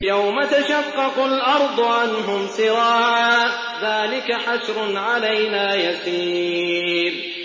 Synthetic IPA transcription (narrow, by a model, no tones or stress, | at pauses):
jawmat̪aʃɑqːɑqʊlʔɑɾˤd̪ˤʊʕanɦʊmsɨɾaːʕʕʔ | ðaːlɪkaħaʃɾʊnʕalajnaːjasiː | ɾ